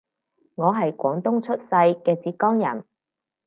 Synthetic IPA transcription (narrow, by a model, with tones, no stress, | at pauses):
ŋɔː˨˧ɦɐ˨jkʷɔː˨˥ŋt̪ʊ˥ŋt͡ʃʰɵ˥t̚sɐ˧jkɛː˧t͡siː˨˧˥t̚kɔː˥ŋjɐ̰˨˩n